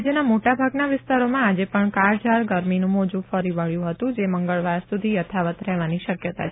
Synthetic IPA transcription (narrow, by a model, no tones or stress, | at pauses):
d͡ʒjənamoʈabʱaɡnaʋɪst̪aɾomãad͡ʒepəɳkaɾd͡ʒaɾɡəɾminũmod͡ʒũfəɾiʋəɭjũɦət̪ũd͡ʒeməŋɡəɭʋaɾsud̪ʱijət̪ʰaʋət̪ɾɛɦʋaniʃəkjət̪a̰